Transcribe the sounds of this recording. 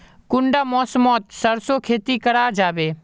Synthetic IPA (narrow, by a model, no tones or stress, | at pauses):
kʊɳɖamɔːsmɔːt̪səɾsokʰeːt̪ikəɾad͡ʒaːbeː